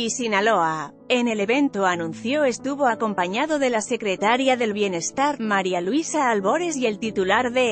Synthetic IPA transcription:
isinaloa | e̞ne̞le̞βe̞nt̪oanũnθjo̞e̞st̪uβo̞ako̞mpaɲaðo̞ðe̞lase̞kɾe̞t̪aɾjaðe̞lβje̞ne̞st̪aɾmaɾjalwisaːlβo̞ɾe̞sje̞lt̪it̪ulaɾðe̞

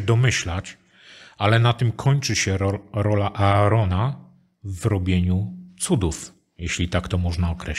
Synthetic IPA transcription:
ɛd̪ɔmɘɕlat͡ɕ | alɛnat̪ɘmkʰɔɲt͡ʂɘɕɛɔɾɔlaʔaːɾɔna | vɾɔbʲjeɲut̪sud̪uf | jeɕlʲit̪akt̪ɔmɔʐnaɔkɾɛ

